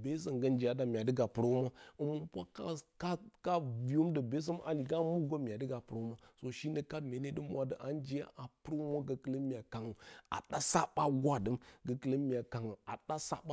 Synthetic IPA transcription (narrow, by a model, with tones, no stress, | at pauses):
be˦sə˨ŋɡə˦nd͡ʒi˨ja˨da˨mʲ˨a˨də˦ɡa˨pɨ˨ɾo˦ma˦ɨ˨mu˦pʷa˦ka˦ka˦ka˦vi˨jo˦mdə˨be˦s̬ə˦m˦ʔa̰˨li˨ɡa˦mu˦ɡo˦mi˨a˨dɨ˦ɡa˨pɨ˨ɾo˦ma˦so˨ʃi˦nə˨ka˦me˨˦ne˦də˦mʷ˦a˨də˨ʔa˨nd͡ʒi˦ja̰˦ʔa˨pɨ˦ɾo˦ma˦ɡə˨kə˨lə˦mi˨a˨ka˨ŋə˨a̰˨ɗa˦sa˦ɓa˦ɡʷa˦˨də˨˦mɡə˨kə˨lə˦mi˨a˨ka˨ŋə˨a˨ɗa˦sa̰˦ɓa˦